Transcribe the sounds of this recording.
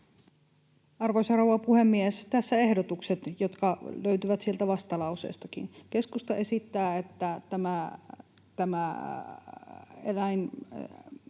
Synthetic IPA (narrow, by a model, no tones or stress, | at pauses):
ɑrʋoisɑrowɑpuhemːiest̪æsːæehdot̪ukset̪jot̪kɑløyt̪yʋæt̪sielt̪æʋɑst̪ɑlɑusḛːst̪ɑkḭnkeskust̪ɑʔesit̪ːæːet̪ːæt̪æmæ | t̪æmæ | elæin